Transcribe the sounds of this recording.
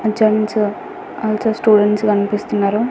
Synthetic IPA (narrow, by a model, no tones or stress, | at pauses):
ɐd͡ʒɐms | ɐlt͡ʃɐsʈuːɖeɳʈskɐnipist̪unːaːɾu